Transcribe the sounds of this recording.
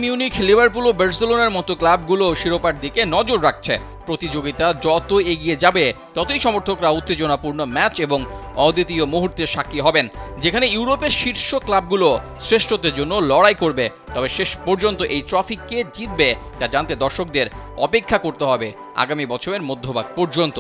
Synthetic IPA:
miuniklibʱaɾpulobɛɾselonaɾmɔt̪oklabɡuloʃiɾopaʈ̚d̪ikenɔd͡ʑoɾɾak̚t͡ɕʰḛ | pɾot̪id͡ʑoɡit̪ad͡ʑɔt̪oeɡied͡ʑabet̪ɔt̪oiʃɔmoɾt̪ʰokɾaut̪ːed͡ʑonapuɾnomɛt͡ɕeboŋ | ɔd̪it̪iomoɦuɾt̪eʃakːiɦɔbend͡ʑekʰanejuɾopeɾʃiɾʃoklab̚ɡulosɾeʃʈʰod̪eɾd͡ʑonːolɔɽajkoɾbe | t̪ɔbeʃeʃpɔɾd͡ʑont̪oʔejtɾɔfikːed͡ʑit̪̚be | tad͡ʑant̪ed̪ɔɾʃok̚d̪eɾɔ̰pekʰːakoɾt̪eɦɔbe | a̰ɡamibɔt͡ɕʰomeɾmod̪ʱːobaɡ̚pɔɾd͡ʑont̪o

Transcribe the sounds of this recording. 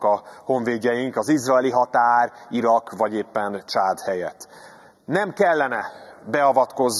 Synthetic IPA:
ɒho̞ɱveːɟɛjiŋkɒzizrɒɛliɦɒt̪aːriɾɒkvɒɟeːpːɛnt͡ʃaːd̪hɛjɛt̪ː | nɛmkɛlːɛnɛbɛɒvɒt̪ko̞z

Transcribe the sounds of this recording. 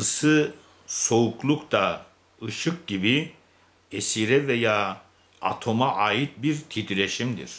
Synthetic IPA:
ɯsɯ | so̞uklˠukt̪a | ɯʃɯk̚ɟibi | esiɾɛvejaː | a̰t̪ʰo̞maʔaːjit̪̚biɾt̪ʰid̪ɾeʃimd̪ḭɾ̥

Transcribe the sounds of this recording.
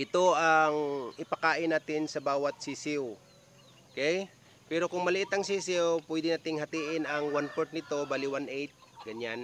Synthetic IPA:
ʔɪt̪o̞ʔɐŋʔɪpɐkaːʔɪnaːt̪ɪnsɐbaːwɐt̪̚sisɪw | ʔokɛj | pɛɾo̞kʊŋmɐlɪʔɪt̪ɐŋsisɪwpwɛd̪ɪnaːt̪ɪŋhɐt̪iːʔɪnɐŋwanpoɹt̪̚nɪt̪o̞baːlɪwanʔɛjt̪̚ | ɡɐɲan

